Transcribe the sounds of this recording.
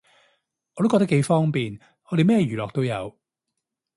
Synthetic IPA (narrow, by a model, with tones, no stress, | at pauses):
ɔː˨˧ɾo˥wkɔː˧t̪ɐ˥ke˨˧jfɔː˥ŋpiː˨n | hɔː˨˧˥ɾe˨mɛː˥˧ɥyː˨˩lɔː˨k̚t̪o˥wjɐ̰˨˧w